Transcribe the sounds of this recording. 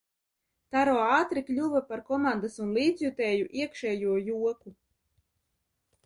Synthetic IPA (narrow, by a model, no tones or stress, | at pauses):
t̪aɾɔːaːt̪ɾiklʲuvapaɾkɔmand̪asunlˠiːd̪zjut̪ɛːjuʔiɛkʃɛːjuɔjuɔku